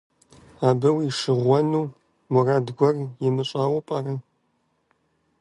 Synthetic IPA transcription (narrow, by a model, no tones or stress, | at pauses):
aːbɐwiːʂɨʁʷɔnuː | mʊraːdɡʷɔrjɛmɨɕʼaːwɐpʼaːrɨ